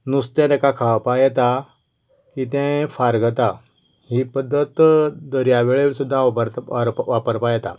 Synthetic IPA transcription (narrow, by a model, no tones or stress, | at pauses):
nust̪ɛ̃d̪ɛkakʰaʋpajɛt̪a | kit̪ɛ̃faɾɡət̪a | hipəd̪ʱːət̪d̪əɾjaʋeɭeʋɾsud̪ʱːaəɾɾʋapəɾpajɛt̪a̰